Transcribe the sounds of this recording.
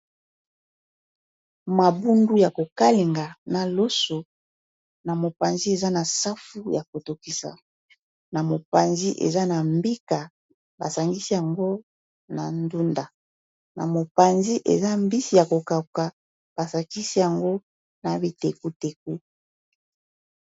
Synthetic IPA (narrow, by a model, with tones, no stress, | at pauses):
ma˨bu˦ndu˦ja˨ko˨ka˦le˨ŋɡa˨na˨lo˦so˨ | na˨mo˨pa˨nzi˦e˨za˦na˨sa˦fu˦ja˨ko˨to˨ki˨sa̰˨ | na˨mo˨pa˨nzi˦ʔḛ˨za˦na˨mbi˦ka˨ | ba̰˨sa˨ŋɡi˦si˦ja˨ŋɡo˦ | na˨ndu˦nda˨ | na̰˨mo˨pa˨nzi˦ʔḛ˨za˦m˦bi˦si˦ja˨ko˨ka˨ka˨ | b̥a˨sa˨ki˦si˦ja˨ŋɡo˦ | na˨bi˨te˨ku˦te˨k̚u˦